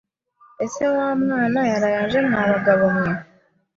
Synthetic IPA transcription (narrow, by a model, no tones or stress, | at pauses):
esewaːmwaːnajaɾajaʒemaːβaɡaβomwe